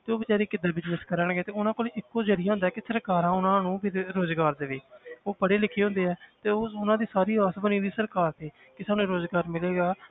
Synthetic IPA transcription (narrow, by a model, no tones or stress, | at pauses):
t̪eːoːbɪt͡ʃaːɾiːkɪd̪aːbɪd͡ʒnəskəɾəɳɡeːt̪eːʊnãːkoːleːɪkːoːd͡ʒəɾɪjaːɦʊ̃nd̪aːɛːkɪsəɾkaːɾãːʊnãːnũːpɪɾoːzɡaːɾd̪eːʋeːoːpəɽeːlɪkʰːeːɦõnd̪eːɦɛːt̪eːoːʊnãːd̪iːsaːɾiːaːsbəniːd̪iːsəɾkaːɾt̪ʰeː | kɪsaːnũːɾoːzɡaːɾmɪleːɡaː